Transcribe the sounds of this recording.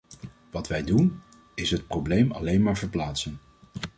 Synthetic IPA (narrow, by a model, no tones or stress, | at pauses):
ʋɑtʋɛjdun | ɪsɦət̚prowblejmɑ̰lejnmaːɹvəɹplaːtsən